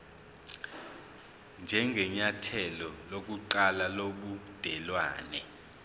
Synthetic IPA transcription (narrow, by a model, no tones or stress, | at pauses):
nd͡ʒʱɛŋɡʱɛɲatʰɛlɔlok̬ʼuǃalaloɓud̥ʱɛlwa̰ːnɛ